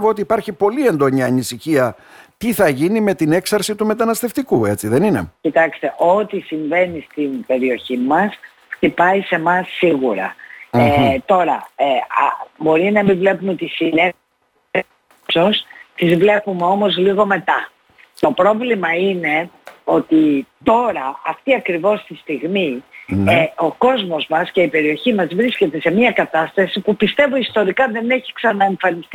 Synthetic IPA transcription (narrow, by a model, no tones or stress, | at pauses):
voot̪iːpɐɾçipo̞lie̞nd̪o̞ɲɐːnisiçiɐ | t̪iθɐʝinime̞t̪ine̞ksɐɾsit̪ume̞t̪ɐnɐst̪e̞ft̪ikue̞t͡siðe̞nine̞̰cit̪ɐkst̪e̞ʔo̞t̪isiɱve̞nist̪inbe̞ɾio̞çimɐs | ft̪ipɐise̞mɐsːiɣuɾɐ̰et̪o̞ɾɐ̰ebo̞ɾinɐemivle̞pumeot̪isine | so̞st̪izvle̞pumeo̞mo̞zliɣo̞me̞t̪ɐ | t̪o̞pɾo̞vlimɐine̞o̞t̪it̪o̞ɾɐɐft̪iɐkɾivo̞st̪ist̪iɣmieo̞ko̞zmo̞zmɐsce̞ipe̞ɾio̞çimɐzvɾisce̞t̪e̞se̞miɐkɐt̪ɐst̪ɐsipupist̪e̞voist̪o̞ɾikɐðe̞ne̞çi̥ksɐnɐe̞ɱfɐnist̪